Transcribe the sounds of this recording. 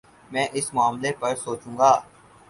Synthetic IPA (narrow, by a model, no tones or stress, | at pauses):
mɛ̃ːʔɪsmʊaːmlepɐɾsoːt͡ʃũːɡaː